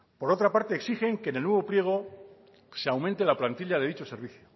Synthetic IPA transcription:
po̞ɾo̞t̪ɾapaɾt̪e̞ːksixe̞ŋkene̞lnwe̞β̞o̞pɾje̞ɣ̞o̞ | seawment̪e̞laplant̪iʎað̞e̞ðit͡ʃo̞se̞ɾβ̞iθjo

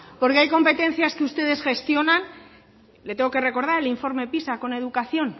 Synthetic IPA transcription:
po̞ɾkeajko̞mpe̞t̪e̞n̟θjaskeust̪e̞ð̞e̞sxe̞st̪jo̞nan | let̪eŋɡo̞ke̞re̞ko̞ɾð̞aɾe̞liɱfo̞ɾme̞pisako̞ne̞ð̞ukaθjo̞n

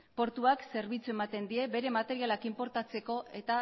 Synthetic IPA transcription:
po̞ɾt̪uakse̞ɾβ̞it͡sue̞mat̪e̞nd̪ie̞be̞ɾe̞mat̪e̞ɾialakimpo̞ɾt̪at͡se̞ko̞ʔe̞t̪a

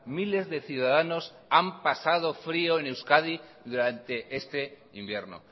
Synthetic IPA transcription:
mile̞zðe̞θjuðaðano̞s | ampasað̞o̞fɾio̞ene̞wskað̞i | ðuɾant̪e̞ʔe̞st̪e̞ | imbje̞ɾno̰

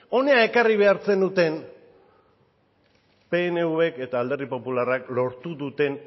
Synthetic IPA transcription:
o̞ne̞ae̞kariβ̞e̞aɾt͡se̞nd̪ut̪e̞n | pe̞ːne̞uβe̞ke̞t̪aːld̪e̞ripo̞pularaklo̞ɾt̪uðut̪e̞n

